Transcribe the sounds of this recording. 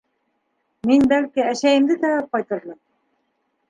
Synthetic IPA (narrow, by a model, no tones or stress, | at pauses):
minbælkiæʃæjɘ̆md̪ɘt̪æwæp̚qɑjt̪ɤ̆ɾðɤm